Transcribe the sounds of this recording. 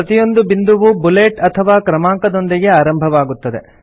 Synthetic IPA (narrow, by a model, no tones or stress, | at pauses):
ɐt̪ijo̞nd̪ubind̪uʋubuleːʈɐt̪ʰɐʋaːkɾɐmaːŋkɐd̪o̞nd̪iɡe̞aːɾɐmbʱɐʋaːɡut̪ːɐd̪e̞̰